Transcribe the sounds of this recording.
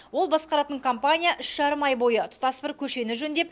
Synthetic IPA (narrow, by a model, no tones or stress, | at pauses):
wo̞lˠbɑsqɑɾɑt̪əɴkʰompanʲijaʔʏʃʒɑɾəmɑjbo̞jət̪ʰʊ̥t̪ɑsbɪɾkʲʰɵʃe̞nɪʒɵnd̪e̞p̚